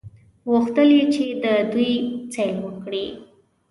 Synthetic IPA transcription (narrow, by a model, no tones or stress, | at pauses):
ɣuxt̪əlet͡ʃed̪əd̪ujt͡salwəkɽi